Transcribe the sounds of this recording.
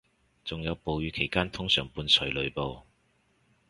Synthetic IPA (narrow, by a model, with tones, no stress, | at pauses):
t͡sʊ˨ŋjɐ˨˧wpo˨wjyː˨˧kʰe˨˩jkaː˥nt̪ʰʊ˥ŋsœː˨˩ŋpuː˧nsʰɵ˨˥ɥlɵ˨˧ɥpo˨˧w